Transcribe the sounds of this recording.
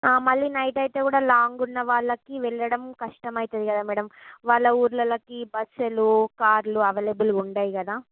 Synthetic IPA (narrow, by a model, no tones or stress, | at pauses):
aːmɐɭːinɐjʈɐjt̪e̞ːkuːɽaːlaːŋɡunːɐʋaːɭːɐkiʋɛɭːɐɽɐmkɐʂʈɐmɐjt̪ɐd̪ikɐd̪aːmɛːɽɐmʋaːɭːɐuːɾlɐlɐkibɐt͡ʃːɐlukaːɾluɐʋɐlebuluuɳɖaːjikɐd̪aː